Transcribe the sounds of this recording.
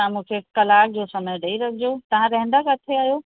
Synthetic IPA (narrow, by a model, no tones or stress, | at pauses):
ãmũːkʰekɐlaːk̚d͡ʑoːsɐməjɖɐiɾɐkʰɪd͡ʑot̪ɐʋ̤ãɾɐɦɪ̃nd̪əkɐt̪ʰeaːɦjoː